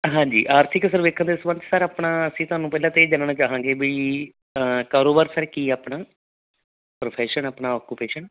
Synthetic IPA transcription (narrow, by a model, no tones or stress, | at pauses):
ɦãːɲd͡ʒiːʔaːɾt̪ʰɪksəɾʋeːkʰə̃nd̪eːsʋə̃nt̪səɾaːpɳaːəsĩːt̪ʊɦaːnũːpɛːlãːt̪eːd͡ʒannaːt͡ʃaːɦãːŋɡeːbii | kaːɾoːbaːɾsəɾkiːaːpɳaː | pɾoːpʰɛːʃənaːpnaːɔːkupeːʃən